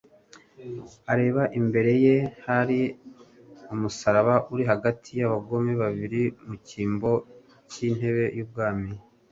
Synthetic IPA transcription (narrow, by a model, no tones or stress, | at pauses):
aɾe̞ːβaʔimbe̞ɾe̞je̞haɾi | umusaɾaβaʔuɾiɦaɡatʰijaβaɡo̞meβaβiɾimuciːmbo̞ | cin̥he̞βe̞juːb̚ɡaːmi